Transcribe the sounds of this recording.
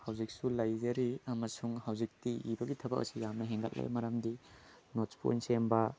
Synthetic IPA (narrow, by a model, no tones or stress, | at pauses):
hawzik̚sulɐjzɐɾiɐmɐsuŋhawzik̚tiibɐɡitʰɐbɐkɐ̰sijamnɐɦeŋɡɐt̚lḛjmɐɾɐmdinot͡ʃpo̰nsembɐ